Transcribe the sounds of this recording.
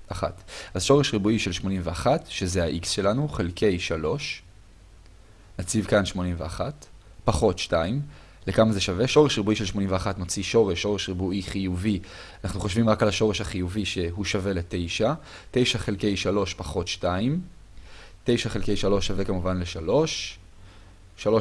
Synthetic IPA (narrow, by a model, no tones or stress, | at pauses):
ʔaχa̰tʔazʃo̞ʁeʃʁibuiʃe̞lʃmo̞nimveaχatʃe̞zehaʔiksʃe̞lanuχelkʰe̞jʃalo̞ʃ | nat͡sivkanʃmo̞nimveaχat | paχo̞tʃtaim | le̞kamaze̞ʃave̞ʃo̞ʁeʃʁibuiʃelʃmo̞nimveaχatmot͡siʃo̞ʁeʃːo̞ʁeʃʁibuʔiχijuvianaχnuχo̞ʃvimʁakalaʃo̞ʁeʃhaχijuviʃe̞ɦuʃave̞lete̞jʃa | te̞jʃaχe̞lke̞jʃalo̞ʃpaχo̞tʃtaim | te̞jʃaχe̞lke̞jʃalo̞ʃːave̞kamuvanle̞ʃalo̞ʃ | alo